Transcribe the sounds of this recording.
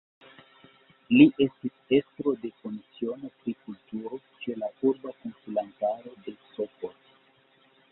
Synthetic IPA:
liʔe̞stise̞stɾo̞de̞kunt͡sio̞no̞pɾikultuɾo̞ | t͡ʃe̞lauɾbakonsulantaɾo̞de̞sopot

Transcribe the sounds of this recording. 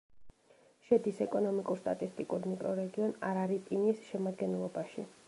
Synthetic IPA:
ʃɛd̪isɛkʼɔnɔmikʼuɾst̪ʼa̰t̪ʼist̪ʼikʼuɾmikʼɾɔɾɛɡiɔnaɾaɾitʼinisʃɛmad̪ɡɛnlˠɔbaʃḭ

